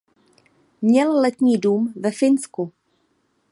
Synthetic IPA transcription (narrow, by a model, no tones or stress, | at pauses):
mɲɛllɛt̪ɲiːduːmvɛfɪnsku